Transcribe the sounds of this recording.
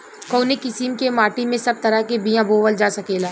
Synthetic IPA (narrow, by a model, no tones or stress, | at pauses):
koːnikɪsimkemaːʈimẽsɐb̚t̪ɐɾakebijãboːʋəld͡ʒaːsɐkeːlaː